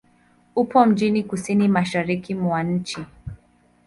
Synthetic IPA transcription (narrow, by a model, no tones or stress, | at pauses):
upɔm̩d͡ʒinikusinimaʃaɾikimwaɲ̩t͡ʃi